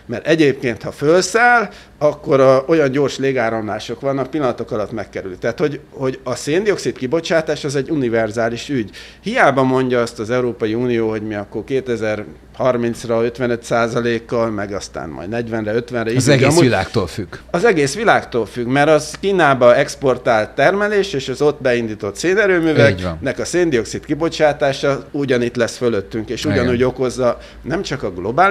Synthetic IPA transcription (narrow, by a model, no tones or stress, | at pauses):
mɛɾʔɛɟeːpkeːnt̪hɒfølsaːl | ɒkːo̞ɾɒo̞jɒɲɟo̞ːrʃleːɡaːɾɒmlaːʃo̞kʋɒnːɒk̚pilːɒnɒt̪o̞kɒlɒt̪mɛkːɛɾylit̪ɛːt̪ho̞ɟho̞ɟɒseːnd̪io̞ksit̪kibo̞t͡ʃaːt̪aːʃɒzɛɟːunivɛrzaːliʃyɟ | hijaːbɒmo̞ɲɟɒɒst̪ɒzɛuɾoːpɒjiuːnijoːɦo̞ɟmiɒkːo̞rkeːt̪ɛzɛr | hɒrmint̪srɒø̞t̪ʋɛnø̞t̪saːzɒleːkːɒlmɛɡɒst̪a̰ːnmɒ̰jd̪nɛɟʋɛnrɛø̞t̪ʋɛnrɛimila̰ːkt̪o̰lfyɡɒzɛɡeːsʋilaːkt̪oːlfyɡmɛɾɒzkiːnaːbɒɛkspo̞rt̪aːlt̪ːɛrmɛleːʃeːʃɒzo̞t̪bɛind̪iːt̪o̞t̪seːnɛɾøːmyːvɛknɛkɒseːnd̪io̞ksit̪kibo̞t͡ʃaːt̪aːʃɒuɟɒnit̪lɛsføløt̪ːyŋkeːʃuɟɒnuːɟo̞ko̞zːɒ | nɛmt͡ʃɒkɒɡlo̞baː